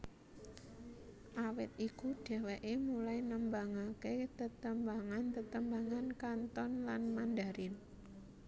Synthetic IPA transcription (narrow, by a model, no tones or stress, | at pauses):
ʔawɪt̪̚ikuɖ̥ɛ̤weʔemulainəmbaŋaket̪ət̪əmbaŋant̪ət̪əmbaŋankant̪ɔnlanmandaɾɪn